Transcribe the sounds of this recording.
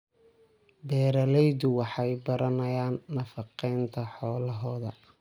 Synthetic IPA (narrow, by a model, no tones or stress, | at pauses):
bɛːɾɐlɛjdʊwɑħɑjbɐɾʔɐnɐjaːnːɐfɑqɛjnt̪ʰɐħɔːlɐɦɔːðɐ